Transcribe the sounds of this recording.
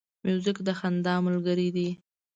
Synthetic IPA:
mjuzɪkd̪əxand̪ɑmʊlɡəɾid̪i

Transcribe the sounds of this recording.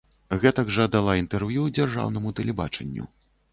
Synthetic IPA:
ɣɛt̪ɐɡʐɐd̪alˠaint̪ɛrvjud͡zʲarʐa̰wnɐmut̪ɐlʲɛba̰t͡ʂɛ̰nʲːṵ

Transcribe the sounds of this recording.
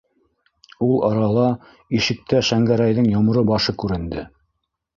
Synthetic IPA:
ulˠɑɾɑlˠɑ | iʃɘ̆k̚t̪æʃæŋɡæɾæjðɘŋjŏm̆ɾɤbɑʃɤkʉɾɘ̆nd̪ɘ

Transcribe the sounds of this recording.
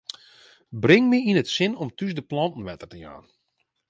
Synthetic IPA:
brɪŋmɪinətsɪnɔmtysdəplɑntn̩ʋɛtərtəja̰ːn

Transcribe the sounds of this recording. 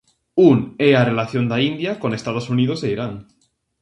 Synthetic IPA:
unearelaθjo̞nd̪aind̪jako̞ne̞st̪aðosunið̞oseiɾaŋ

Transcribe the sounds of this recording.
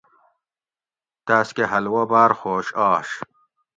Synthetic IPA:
t̪aːskeɦɐlwɐbaːɾxoːɕɑːɕ

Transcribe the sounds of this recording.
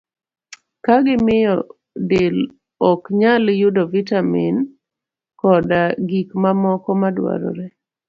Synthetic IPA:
kaɡɪmɪjɔ | dɪl | ɔkɲaljʊdɔvitamin | kɔdaɡikmamɔkɔmadwa̰ɾɔ̰ɾɛ

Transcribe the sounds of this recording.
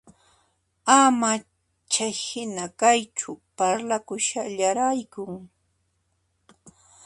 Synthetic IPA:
ama | t͡ʃajhɪnakajt͡ʃʊpaɾlakʊʃaʎaɾajkʊŋ

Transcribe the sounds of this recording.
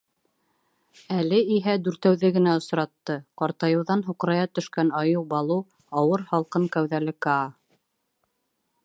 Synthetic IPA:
ælɘiɦæd̪ʉɾt̪æwðɘɡɘ̆næŏsɾɑt̪ːɤqɑɾt̪ɑjɤ̆wðɑnɦuqɾɑjɑt̪ɵ̆ʃkænɑjɤwbɑlˠɤw | ɑwɤɾhɑlˠqɤŋkæwðælɘkɑ

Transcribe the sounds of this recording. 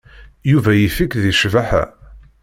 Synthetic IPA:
juvæjifikðiʃvaħæ̰

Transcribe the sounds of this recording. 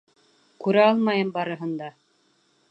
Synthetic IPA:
kʉɾæɑlˠmɑjɤmbɑɾɤ̆ɦɤ̆nd̪ɑ

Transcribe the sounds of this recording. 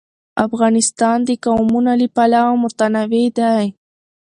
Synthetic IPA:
afɣɑnɪst̪ɑnd̪əkawmunalipalawamʊt̪anawed̪aj

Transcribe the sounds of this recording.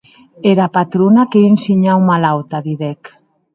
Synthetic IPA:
eɾapat̪ɾonakeensiɲawmalawt̪aðiðɛk

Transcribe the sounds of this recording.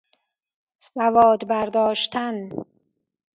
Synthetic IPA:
sævɒːd̪bæɾd̪ɒːʃt̪ʰæn

